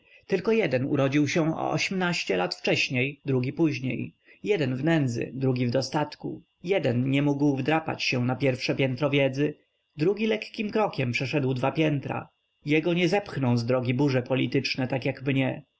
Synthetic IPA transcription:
t̪ɘlkɔjɛd̪ɛnṵɾɔd͡ʑiwɕɛɔ̰ɔ̰ɕɛmnaɕt͡ɕɛlat̪ft͡ʂɛɕɲejd̪ɾuɡʲipuʑɲḛj | jɛd̪ɛnvnɛnd̪zɘ̰d̪ɾuɡʲivd̪ɔst̪at̪kṵ | jɛd̪ɛnɲɛmuɡwvd̪ɾapa̰t͡ɕɕɛnapʲjɛɾfʂɛpʲjɛnt̪ɾɔvʲjɛd̪zɘ | d̪ɾuɡʲilɛkkʲimkɾɔkʲɛmpʂɛʂɛd̪wd̪vapʲjɛnt̪ɾa̰ | jɛɡɔɲɛzɛpxnɔw̃zd̪ɾɔɡʲibuʐɛpɔlʲit̪ɘt͡ʂnɛt̪akjaɡmɲɛ

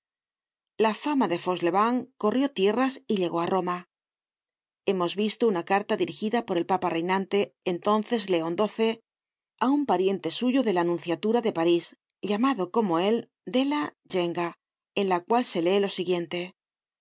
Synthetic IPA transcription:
lafamaðe̞fo̞zle̞βaŋko̞rjo̞t̪je̞rasiʎe̞ɣo̞aro̞ma | e̞mo̞zβist̪o̞unakaɾt̪aðiɾixiðapo̞ɾe̞lpapare̞jnãnt̪e̞ːnt̪o̞nθe̞zle̞o̞nd̪o̞θe̞ | aumpaɾje̞nt̪e̞suʝoðe̞lanũnθjat̪uɾaðe̞paɾis | ʎamaðo̞ko̞mo̞e̞l | d̪ela | ʝe̞ŋɡa | enlakwalse̞le̞ːlo̞siɣje̞nt̪e̞

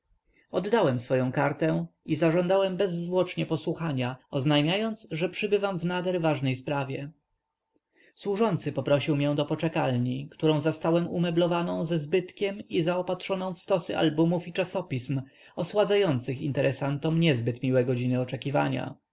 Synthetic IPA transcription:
ɔd̪ːawɛmsfɔjɔ̃w̃kaɾt̪ɛ̃izaʐɔnd̪awɛmbɛzːvwɔt͡ʂɲɛpɔswuxaɲaɔznajmʲjajɔnt̪sʐɛpʂɘbɘvamvnad̪ɛɾvaʐnɛjspɾavʲjɛ | swuʐɔnt̪sɘpɔpɾɔɕiwmjɛ̃d̪ɔpɔt͡ʂɛkalɲikt̪uɾɔ̃w̃zast̪awɛmṵmɛblɔvanɔ̃w̃zɛzbɘt̪kʲɛmizaɔpatʂɔnɔ̃w̃fst̪ɔsɘʔa̰lbumufit͡ʂasɔpʲism | ɔswad̪zajɔnt̪sɘxḭnt̪ɛɾʔɛsant̪ɔmɲɛzbɘt̪mʲiwɛɡɔd͡ʑinɘɔt͡ʂɛkʲiva̰ɲa̰

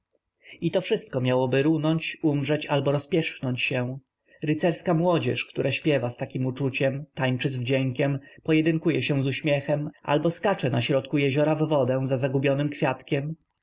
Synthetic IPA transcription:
it̪ɔfʂɘst̪̚kɔmʲjawɔbɘɾunɔɲt͡ɕumʐɛt͡ɕalbɔɾɔspʲjɛʂxnɔɲt͡ɕɕɛw̃ | ɾɘt̪sɛɾskamwɔd͡ʑɛ̰ʂkt̪uɾʔaɕpʲjɛvast̪akʲimut͡ʂut͡ɕɛmt̪ajt͡ʂɘzvd͡ʑɛŋkʲɛmpɔjɛd̪ɘŋkujɛɕɛw̃zuɕmʲjɛxɛmʔa̰lbɔskat͡ʂɛnaɕɾɔt̪kujɛʑɔɾavːɔd̪ɛ̃w̃zazaɡubʲjɔnɘmkfʲjat̪kʲɛm

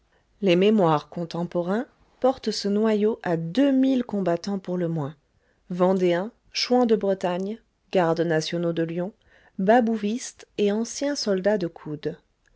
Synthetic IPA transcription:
lememwaʁkɔ̃t̪ɑ̃pɔʁɛ̃ | pɔʁt̪sənwajoʔad̪ømilkɔ̃bat̪ɑ̃puʁləmwɛ̃ | vɑ̃d̪eɛ̃ | ʃwɑ̃d̪əbʁət̪aɲ | ɡ̥aʁd̪nasjɔnod̪əljɔ̃ | babuvist̪eɑ̃sjɛ̃sɔld̪ad̪əkʰud̪

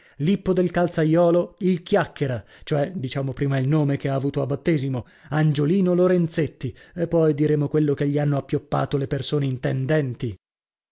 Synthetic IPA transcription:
lipːod̪elkalt̪sajːɔːloilkjakːeɾat͡ʃoɛd̪it͡ʃaːmopɾiːmailnoːmekeaːvuːt̪oabːat̪ːeːzimo | and͡ʒoliːnoloɾent̪set̪ːiepːɔjd̪iɾeːmokwelːokeʎːianːoapːjopːa̰ːt̪olepersoːneint̪ɛnd̪ɛnt̪i

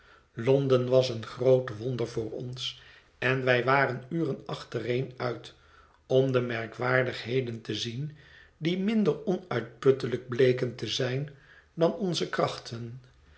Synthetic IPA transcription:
lɔndənʋɑsənχrowtʋɔndəɹvʊːɹɔ̰ns | ɛnʋɛjʋaːrənyːrənɑχtərejnœɥt | ɔmdəmɛɹkʋaːɹdəχɦejdəntəzin | dimɪndəɹɔnœɥt̚pɵtələɡ̚blejkəntəzɛjn | dɑnɔnzəkrɑχtʰən

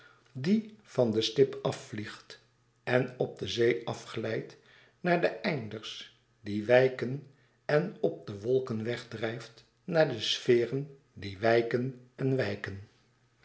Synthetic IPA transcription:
div̥ɑndəstɪpɑfːliχt | ɛnɔb̚dəzejɑfχəlɛjt | naːɹdəʔɛjndəɹs | diʋɛjkən | ɛnɔp̚dəʋɔlˠkənʋɛχdrɛjft | naːɹdəsfɪːrən | diʋɛjkənɛnʋɛjkən

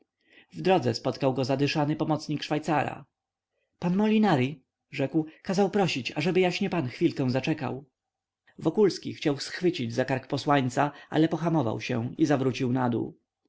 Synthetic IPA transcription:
vd̪ɾɔd̪zɛspɔt̪kawɡɔzad̪ɘʂanɘpɔmɔt̪sɲikʂfajt̪saɾa̰ | panmɔlʲinaɾi | ʐɛkwkazawpɾɔɕit͡ɕaʐɛbɘjaɕɲɛpanxfʲilkɛ̃w̃zat͡ʂɛka̰w | vɔkulskʲixt͡ɕawsxfɘt͡ɕid͡ʑzakaɾkpɔswaɲt̪saʔa̰lɛpɔxamɔva̰wɕɛ̰̃izavɾut͡ɕiwnad̪ṵ

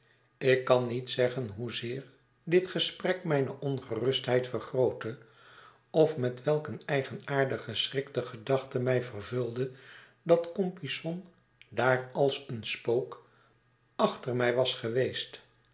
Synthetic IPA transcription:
ɪkːɑnːitsɛχənɦuzɪːɹ | dɪtχəsprɛkmɛjnəʔɔnχərɵstɦɛjtfərχrowtə | ɔfmɛtʋɛlˠkənɛjχənaːɹdəχəsrɪktəχədɑχtəmɛjvərvɵlˠdə | dɑtkɔmpisɔn | daːɹɑlˠsənspowk | ɑχtəɹmɛjʋɑsχəʋejst

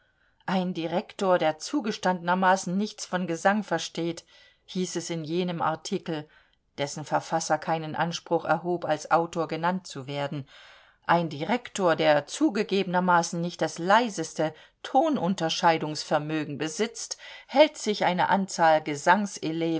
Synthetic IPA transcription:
ʔaɪndiʁɛktoːɐdeːɐt͡suːɡəʃtandənɐmaːsn̩nɪçt͡sfɔnɡəzaŋfɛɐʃteːt | hiːsɛsɪnjeːnəmʔa̰ɐtʰikl̩ | d̥ɛsn̩fɛɐfasɐkʰaɪnənʔa̰nʃpʁ̥ʊχɛ̰ɐɦoːpalsʔaʊtoːɐɡənantt͡suveːɐdn̩ | ʔaɪndiʁɛktoːɐdeːɐt͡suːɡəɡeːbənɐmaːsn̩nɪçt̚d̥aslaɪzəstə | tʰoːnʔʊntɐʃaɪdʊŋsfɛɐmøːɡŋ̩bəzɪt͡sthɛltz̥ɪçʔaɪnə̰ʔant͡saːlɡəzaŋsɪleː

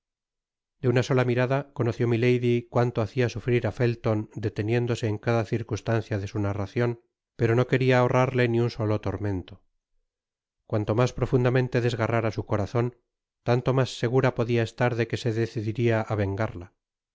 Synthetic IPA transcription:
d̪̥eunaso̞lamiɾaðakono̞θjo̞mile̞jðikwant̪oaθiasufɾiɾafe̞lt̪o̞nd̪e̞t̪e̞nje̞nd̪o̞se̞ːŋkaðaθiɾkust̪an̟θjaðe̞sunaraθjo̞n | pe̞ɾo̞no̞ke̞ɾiaorʔaɾle̞niunso̞lo̞t̪o̞ɾme̞nt̪o̞ | kwant̪o̞maspɾo̞fund̪amẽ̞nt̪e̞ðe̞zɣaraɾasuko̞ɾaθo̞n | t̪ant̪o̞masːe̞ɣ̞uɾapo̞ðiae̞st̪aɾðe̞ke̞se̞ðe̞θiðiɾiaʔaβ̞e̞ŋɡaɾla

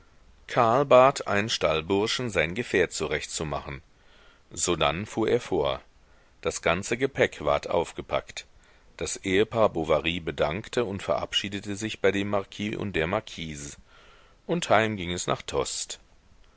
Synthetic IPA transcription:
kʰaɐlbaːtʰʔa̰ɪnənʃtalbʊɐʃn̩zaɪnɡəfɛːɐtt͡suʁɛçtt͡suma̰χn̩ | zoːda̰nfuːɐʔeːɐfoːɐ | d̥asɡ̥ant͡səɡəpʰɛkv̥a̰ɐtʔa̰ʊfɡ̥əpʰa̰kt | d̥asʔeːəpʰaːɐbovaʁiːbədaŋktʰəʊntfɛɐʔa̰pʃiːdətəzɪçb̥aɪdeːmːaɐkʰiːʔʊ̰nt̚d̥eːɐmaɐkʰiːzə | ʔʊnthaɪmɡɪŋɛsna̰ːχtʰɔ̰st

